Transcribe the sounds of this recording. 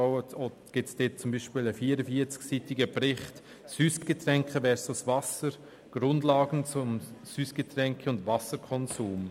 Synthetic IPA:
ʊəo | ɡ̥ɪtsd̥et̚t͡sʊmbiːʃpɪːləfiːəɾəfiət͡sksitɪɡəbrɪχt | syːsɡ̥et̪ɾɛŋkχəvɛːɾsosvɑsəɾ | ɡ̥ɾʊndlaːɡənt͡sʊmsyːsɡ̥et̪ɾɛŋkʰəʊndvɑsəɾkʰɔnsuːm

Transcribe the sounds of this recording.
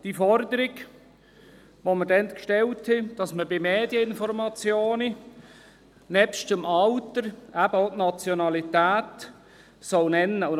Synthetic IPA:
d̥ifɔrd̪əɾɪɡ | ʋomədɛnt̪kʃtɛlthɪd̥ɑsməbɪmeːdjəɪnfɔrmɑt͡sjoːni | nɛpʃtəmʔɑltəɾʔæb̥əotnɑt͡sjonɑlit̪æːt | sɔlnɛnːəʊ

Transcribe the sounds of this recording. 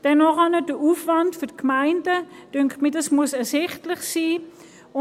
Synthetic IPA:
d̥ɛnːɔχɑnəd̥əuːfvɑndfʏtkmaɪndəd̥ʏŋktmɪdɑsmusɛsɪχtlɪχsiː | ʊ

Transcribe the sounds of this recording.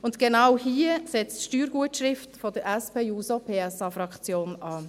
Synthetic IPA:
ʊntɡ̥enawhiəsɛt͡stʃtyːɾɡ̥uətʃɾɪftfɔd̥əɾʔɛspeːjuːsɔpʰeːɛsɑfɾɑkt͡sjoːnɑː

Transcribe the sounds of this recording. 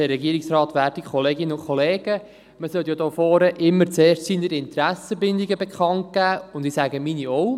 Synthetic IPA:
ɛɾːɛɡiəɾiksrɑːt̪ʋæːɾdiχʰɔleːɡɪnəʊnkʰχɔleːɡ̥ə | məsœltjodɔːfɔːɾəʔɪmːəɾt͡seːʃtsinəɾɪnt̪ɾæsəbɪnd̪iɡəbekχɑnt̚kæːʊndisæɡəminiɔw

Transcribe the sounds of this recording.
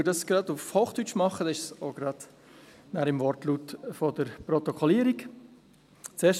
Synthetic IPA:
dɑsɡ̥ɾɑdʊfhoːχtyt͡ʃmɑχːədɪʃsoːɡ̥ɾɑd̥ | næːɾɪmvɔɾtlutfɔdəɾpɾɔt̪ɔkʰɔliəɾik | t͡seːʃ

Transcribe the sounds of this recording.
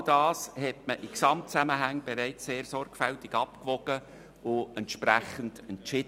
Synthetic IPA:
dɑːshɛtməʔɪksɑmtt͡sæməɦæŋb̥eɾɛɪt͡sseːɾsɔrɡ̥fæltɪɡɑpkʋɔɡ̥ə | ʊɛntʃpræχən̩d̥ɛnt͡ʃɪd

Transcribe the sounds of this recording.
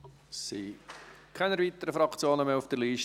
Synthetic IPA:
sikʰɛnəɾviːt̪ːəɾəfɾɑkt͡sjoːnəmeufd̥əɾliːʃ

